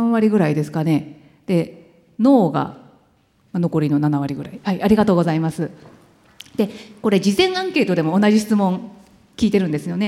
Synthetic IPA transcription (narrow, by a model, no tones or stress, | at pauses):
ãβaɾʲiɡɯ̟ɾaid̪e̞sɨ̥kane̞ | d̪̥e̞ | no̞ːɡa̰ | mano̞ko̞ɾʲino̞nanaβaɾʲiɡɯ̟ɾa̰ihaiʔaɾʲiɡat̪o̞ːɡo̞zaimasɨ | d̪̥e̞ko̞ɾe̞d͡ʑizẽ̞ɰ̃ãŋke̞ːt̪oe̞mo̞ːnaʑiɕi̥t͡sɨmõ̞ŋ | kʲiːt̪e̞ɾɯ̟nd̪e̞sɨjo̞ne̞